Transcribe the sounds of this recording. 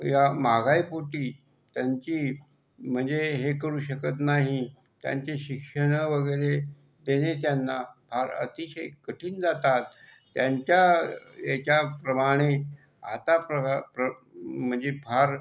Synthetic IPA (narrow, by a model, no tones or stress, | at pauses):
jamaɡajpuʈiː | t̪jaɲt͡ɕiː | m̤əɳd͡zeɦekəɾuːɕəkət̪naɦi | t̪ja̰ɲt͡ɕeɕikʂəɽ̃əʋəɡəjɾe | d̪enet̪janːabʱaɾə̰t̪iɕəjkəʈʰiːnd͡zat̪at̪ː | jaɲt͡ɕjajat͡ɕjapɾəmaɽ̃e | a̰t̪apɾəpɾəm̤əɳd͡zebʱaɾ